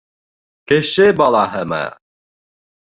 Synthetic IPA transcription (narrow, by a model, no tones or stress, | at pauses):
keʃɪbɑlˠɑɦɤma̰